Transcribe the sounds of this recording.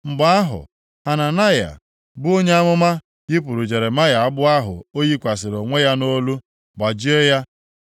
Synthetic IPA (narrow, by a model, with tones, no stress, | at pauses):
ŋ͡m̩˨ɡ͡ba˦a˦ɦʊ̰˨ | a˨na˨na˦ja̰˨ | bʊ˦o˦ɲe˦a˦mʊ˦ma˦ | ɡɪ˦p̬u˨ɾu˨d͡ʒe˨ɾe˨ma˦ja˨a˦ɡ͡bʊ˦a˦ɦʊ̰˨o˦ji˦kʷa˨sɪ˨ɾo˨ŋʷe˦ja˦no˦lu˦ | ɡ͡ba˨d͡ʒi˦e˦ja˦